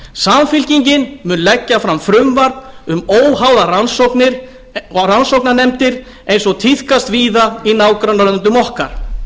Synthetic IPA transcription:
samfɪlciɲcɪnmʏnlɛcːafɾamfɾʏmvaɾt̪nʏmoːwɦawðaransoknɪɾ | ransowknanɛmt̪ɪɾ | ejnsɔɣt̪ʰiθkast̪viːðainaːwkɾanːaɾœnt̪̬ʏmɔhkaɾ̥

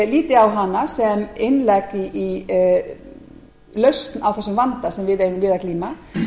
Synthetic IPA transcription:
liːt̪ɪawɦanːasɛmɪnːlɛkiʔi | lœɥst̪nawθɛsːʏmvant̪asɛmvɪðeːjnʏmvɪðakliːma

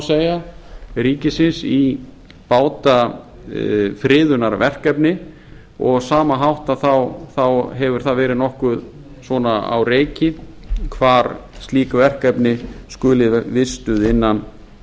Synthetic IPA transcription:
seːjaɾiːcɪsɪnsi | paːwt̪a | fɾɪːðʏnaɾvɛr̥kɛpnɪ | ɔɣsaːmaɦawht̪aðθawθawɦɛvʏɾ̥θavɛːɾɪðnɔhkʏð | svɔːnaa̰wɾeːjcɪkʰvaːɾst̪liːkavɛr̥kɛpnɪskʏːlɪvɪst̪ʏðɪnːan

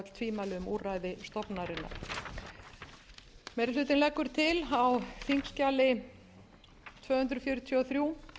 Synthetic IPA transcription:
t̪l̥t̪ʰviːmalɪʏmuːraːjðɪst̪ɔpnaɾɪnːa̰ɾ | mɛːɾɪlʏːt̪ɪnlɛkːʏɾ̥t̪ʰɪlawθiŋkscaːlɪ | t̪ʰvœːhʏnt̪ɾʏfjœːɾʏt̪ʰjiɔθɾjuː

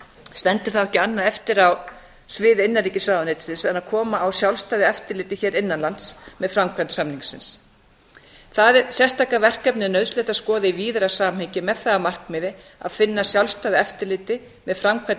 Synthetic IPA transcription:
st̪ɛnt̪ɪ̥θawɛhcɪanːaðɛft̪ɪɾaw | svɪːðɪɪnːaɾriːcɪsaːwðanet̪sɪnsɛnaðkʰɔːmaːwsjawlst̪aːðɪɛft̪ɪɾlɪːt̪ɪçɛːɾɪnːanlant̪smɛðfɾamkʰvansamniŋsɪns | θaðɛɾsjɛst̪ʰaːkavɛr̥kɛpnɪnœðslɛht̪askɔːðɪiviːðɾasaːmhɛɲcɪmɛðθaamar̥kmɪːðɪ | a̰ðfɪnːasjawlst̪aːðɪɛft̪ɪɾlɪːt̪ɪ | mɛðfɾamkʰva

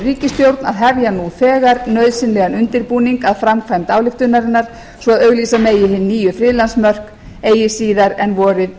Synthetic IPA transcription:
riːcɪst̪jowɾt̪naðɦɛvjanuθɛːɣaɾnœɥðsɪnlɛːɣanʏnt̪ɪɾpuːniŋkaðfɾamkʰvajmt̪aːwlɪft̪ʏnːaɾɪnːaɾ̥ | svɔaðœɣliːsameːjɪɦɪnːiːjʏfɾɪːðlansmœr̥k | eːjɪsiːðaɾɛnvɔːɾɪð

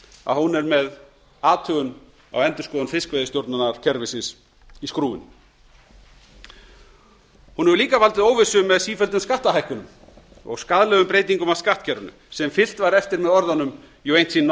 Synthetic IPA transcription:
a̰ðhunɛɾmɛð | aːt̪ʰœɣʏn | a̰wɛnt̪ʏ̥skɔːðʏnfɪskvejðɪst̪jowɾt̪nanaɾ̥cʰɛɾvɪsɪns | iskɾuːɪ̰n | hunɛɾʏliːkavalt̪ɪðoːwvɪsʏmɛðsiːfœlt̪ɪnskaht̪aɦajhkʏnʏm | ɔ̰ɣskaðlɛːɣʏmpɾeːjt̪̬iŋkʏmawskaht̪cʰɛɾʏnʏ̰ | sɛmfɪl̥t̪vaɾɛft̪ɪɾmɛðɔɾðanːʏm | jɔwejn̥t̪sinː

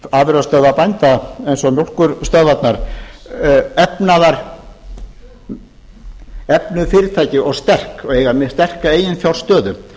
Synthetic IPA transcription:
aːvɪɾast̪œːðapajnt̪aejnsɔmjol̥kʏɾst̪œɣvat̪naɾ̥ | ɛpnaðaɾ | ɛpnʏfɪːɾɪɾt̪ʰaːjcɪɔɣst̪ɛr̥kɔɣeːjɣamɪst̪ɛr̥kaeːjɪnfjawl̥st̪œːðʏ

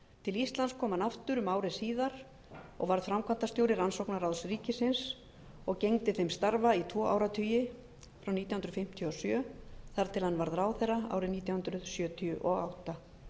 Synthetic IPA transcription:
t̪ʰɪlist̪lanskʰɔːmanaft̪ʏɾʏmaːwɾɪsiːðaɾ̥ | ɔ̰ɣvaɾð̥fɾamkʰvant̪ast̪joːwɾɪɾansowknaɾawðsɾiːcɪsɪns | ɔɣcejŋt̪ɪθejmst̪aɾvait̪ʰvɔːʔa̰ːwɾat̪ʰyːjɪ | fɾawniːt̪jahʏnɾʏðfɪm̥t̪ʰjʏɔsjœːθaɾt̪ʰɪlhanːvaɾðɾaːwθɛrːaa̰ːwɾɪniːt̪jahʏnd̪ɾʏðsjœːt̪ʰiʏʔɔɣawht̪a

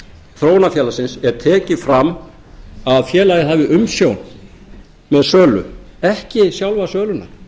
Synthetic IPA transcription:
θɾoːwnafjɛːlasɪnsɛɾ̥t̪ʰɛːcɪfɾamː | aðfjɛːlajɪɦaːvɪʔʏmsjown | mɛðsœːlʏ̰ɛhcɪsjawlvasœːlʏna̰

